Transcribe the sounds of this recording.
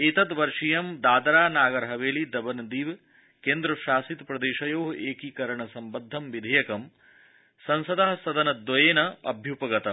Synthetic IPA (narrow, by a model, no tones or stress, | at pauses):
et̪ɐd̪ʋɐɾʂijɐmd̪aːd̪ɐɾaːnaːɡɐɾɐɦɐʋeːlid̪ɐbɐnd̪iːʋ | keːnd̪ɾɐʃaːsit̪pɾɐd̪eːʃɐjoːɦeːkikɐɾɐɳɐsɐmbɐd̪ʱːɐmʋid̪ʱɐjɐkɐm | sɐnsɐd̪ɐɦɐsɐd̪ɐnɐd̪ʋɐjeːnɐɐ̰bʱjupɐɡɐt̪ɐ